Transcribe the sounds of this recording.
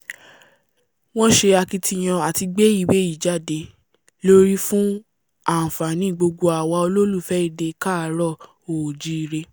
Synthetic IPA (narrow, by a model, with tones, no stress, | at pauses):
w̃ɔ̃˦ʃe˧a˧ki˧tʰi˧j̃ã˧a˨ti˧ɡ͡be˦i˦˨we˦i˦˨d͡ʒa˦˨de˧ | lo˦ɾi˦fũ˦ | a˦˨fa˨nĩ˦˨ɡ͡bo˧ɡo˧a˨wa˧o˧lo˦lu˦˨fɛ˦i˦˨de˧ka˦˨˦ɾɔ˦˨ | o˨d͡ʒi˦˧ɾe˧